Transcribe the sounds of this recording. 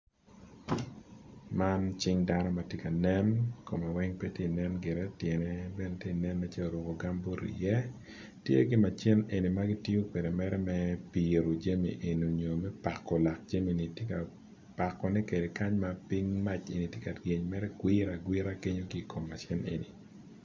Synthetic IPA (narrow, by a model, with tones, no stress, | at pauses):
ma˦nt͡ʃɪ˦ŋda˦nɔ˦ma˨tje˦ka˨nɛ˦nko˨ma˨wɛ˦ŋpɛ˦tje˦˨nɛ˦nɡɪ˨ɾɛ˦tjɛ˨ne˦bɛ˦ne˦tje˦˨nɛ˦nːa˨t͡ʃɛ˦lo˨ɾo˨ɡo˨ɡa˦mbo˦ɾḭ˨jɛ˦ | tjḛ˦ɡɪ˦ma˨t͡ʃɛ˦ne˨ni˨ma˦ɡɪ˦ti˦o˦kwe˨de˨mɛ˦ɾɛ˦mɛ˦pi˨ɾo˨d͡ʒe˦mḭ˨ʔe˨no˨ɲo˨mɛ˦pa˨kːɔ˨la˨k̚d͡ʒe˦mi˨ni˨tje˦ka˨ | pa˨kːɔ˨nɛ˦ke˨de˨ka˦ɲma˦pi˦ŋma˦t͡ʃe˨ni˨tje˦ka˨dɡe˨ɲmɛ˦ɾɛ˦ɡwɪ˦ɾa˨ɡwɪ˦ɾa˦ke˦ɲo˦ɡi˦˨ko˨mːa˨t͡ʃɛ˦nḛ˨ni˨